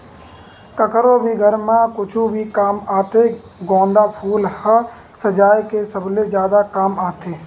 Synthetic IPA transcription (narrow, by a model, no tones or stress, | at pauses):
kəkɾõbʱiɡʱəɾmãkʊt͡ʃʰubʱikaːmaːt̪e | ɡɔ̃ːnd̪apʰuːlhə | səd͡ʒaːjkesəbled͡ʒjaːd̪akaːmaːt̪eː